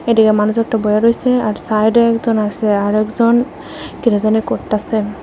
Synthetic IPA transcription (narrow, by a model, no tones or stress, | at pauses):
eʈikemanusɛk̚ʈabɔjaɾojseaɾsajɖeɛkzɔnaseaɾɛkzɔn | kiɾazanekoɾase